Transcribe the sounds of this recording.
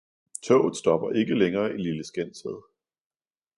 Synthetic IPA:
t͡sʰɔ̰ʊð̩ˠsd̥ɒ̽b̥ɐʔe̝ɡ̥əleŋɐːʔililəsɡ̥en̰seðˠ

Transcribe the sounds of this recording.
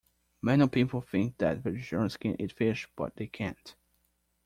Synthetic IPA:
mɛ̃nipʰipl̩ˠθɪ̃ŋk̚ðæ̰t̚vɨd͡ʒəɹ̃nskʰɛ̃nʔḭtfɪʃb̥ʌ̰t̪̚ðeɪkʰæ̃nt

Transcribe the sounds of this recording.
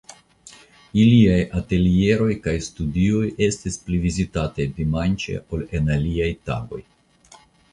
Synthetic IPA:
iliajate̞lie̞ɾo̞jkajstudio̞je̞stisplivizitatajdimant͡ʃe̞̰o̞le̞naliajta̰ɡo̞̰j

